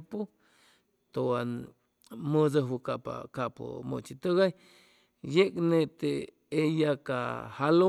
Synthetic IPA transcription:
pu | t̪oan | məd͡zəɦwukapa̰kapo̰mo̰t͡ʃit̪əɣaj | jeknet̪e | ejakahalo

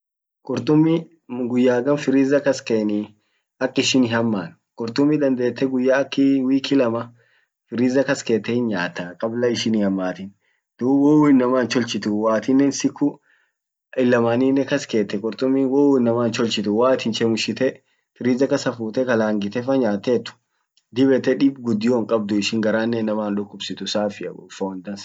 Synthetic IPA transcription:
kʼʊɾt̪ʼʊmːɪ | ɡʊjːaːɡɐnfɪɾɪːzɐkɐskeːnɪ | ɐkʼːɪʃɪnɪhɐmːaːn | kʼʊɾt̪ʊmːɪd̪ɐnd̪e̞ːt̪ːɛɡʊjːaːkːɪwiːkɪlɐmɐ | fɪɾiːzɐkɐske̞ːt̪ːɛhɪnɲaːt̪ːɐkʼɐblɐɪʃɪnɪhɐmːaːt̪ɪn | d̪̥uwɔwɪnːɐmaːnt͡ʃɔlt͡ʃɪt̪ʊwaːt̪ɪnːɛnsɪkːʊ | ɪlːɐmaːninːɛkɐskeːt̪ːɛkʼɔɾt̪ʼʊmːiwɔwɪnːɐmaːnt͡ʃɔlt͡ʃɪt̪ʊwaːt̪ɪnt͡ʃɛmʊʃɪt̪ɛ | fɪɾiːzɐkɐsɐfuːt̪ɛkɐlaːŋɡɪt̪ɛfɐɲaːt̪ːeːt̪ːʊ̥ | d̪ɪbɛt̪ːɛᶑɪbɡʊd̪ːɪjoːŋkʼɐb̚d̪ʊɪʃɪŋɡɐɾaːnːɛnːɐmaːnᶑʊkʼːʊbsɪt̪ʊsaːfɪɐfond̪ɐns

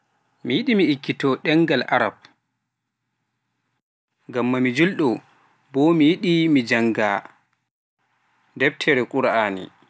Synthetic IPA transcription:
mijiɗimiːkːitɔɗɛŋɡalʔa̰ɾa̰b̚ | ɡamːamid͡ʒulɗɔ | bɔmijiɗimid͡ʒaŋɡa | dɛb̚tʰɛɾɛkʼuɾaaːnḭ

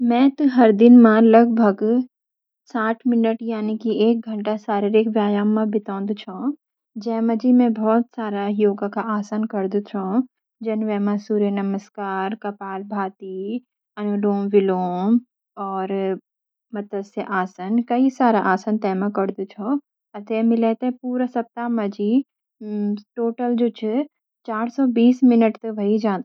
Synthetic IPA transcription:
mɛ̃ːt̪ũɦɐɾd̪ɪnmaːlɐɡbʱəɡ | saːʈʰmɪnəʈjaːnikieːk̚ɡʱə̃ɳʈasaːɾeɾɪkʋjaːjaːmːãbɪt̪ãːnd̪t͡ʃʰõ | d͡ʒɛːməd͡ʒimɛ̃bɔːt̪saːɾajoːɡakaʔaːsənkɐɾd̪ut͡ʃʰoː | d͡ʒɐnʋɛːmãsuːɾjenɐməskaːɾkɐpaːlbʱaːt̪i | ɐnuɖoːmʋɪloːm | ɔːɾ | mɐt̪əsjəʔaːsənkɐisaːɾaʔaːsənt̪ɛːmãkɐɾd̪ut͡ʃʰo | ɐt̪emɪlet̪epuːɾasɐp̚t̪aːmɐd͡ʒi | ʈoːʈəld͡ʒoːt͡ʃʰe | t͡ʃaːɾsɔːbiːsmɪnəʈt̪ɐʋɐɦid͡ʒãːd̪

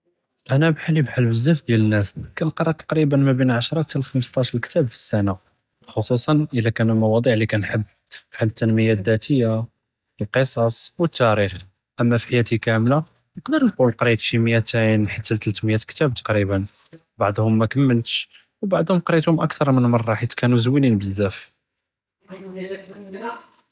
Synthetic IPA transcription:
ʔænæbħalːibħalːwəzːæfd̪jælənːæskænqɾˤɑt̪ːɑ̥qɾibənmæbinʕaʃɾˤɑt̪əlxəmst̪ˤɑʃɾlkt̪æbfə̥sːæna | xosˤusˤɑnʔəlːækænmɑwɑd̪ˤiʕlikænħəbː | fħalːət̪ːænməjæd̪ːæt̪ʰəjːa | əlqəsˤɑsˤwət̪ːæɾix | ʔəmːæfiħajæt̪ikæmla | nəqd̪əɾˤnqulqɾit̪ʃimjæt̪ænħət̪ːælt̪əlt̪mjæt̪kt̪æb̚t̪ɑ̥qɾibən | baʕd̪ˤhʊmːækəmːəlt̪ʃ | wbaʕd̪ˤhʊmqɾit̪hʊmʔækt̪ɑɾˤmənmɑrˤːɑħit̪kænuzwilinbəzd̪æf

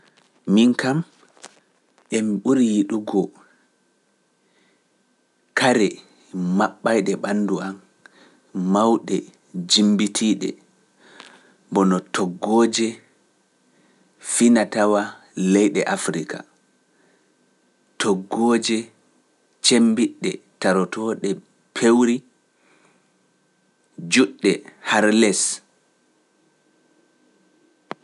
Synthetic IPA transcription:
miŋkam | ʔɛmiɓuɾijiɗuɡɔ | kaɾɛ | maɓːajɗɛɓanːduʔam | mawɗɛ | d͡ʒimbitʰiɗɛ̰ | bɔnɔtɔɡːɔːd͡ʒɛ | finatawa | lɛjɗɛʔafɾika̰ | tʰɔɡːoːd͡ʒɛ | t͡ʃembiɗːɛ̰taɾɔtʰɔːɗɛ | pʰewɾi | d͡ʒuɗːɛhaɾlɛs

